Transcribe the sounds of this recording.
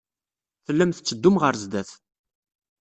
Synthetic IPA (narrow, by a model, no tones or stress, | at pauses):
θəlːæmθət͡sːəd̪ːʊmʁəɾzd̪æθ